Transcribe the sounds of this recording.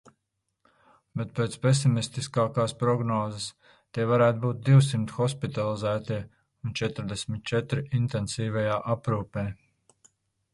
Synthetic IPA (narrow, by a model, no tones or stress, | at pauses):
bet̪̚peːt̪spesimist̪iskaːkaːspɾɔɡnɔːzəs | t̪iɛvaɾæːt̪̚buːt̪̚d̪iwsimt̪xɔspit̪alˠizæːt̪iɛ | unt͡ʃɛt̪ɾd̪esʲmit̪̚t͡ʃɛt̪ɾiint̪ɛnsiːvajaːʔapɾuːpeː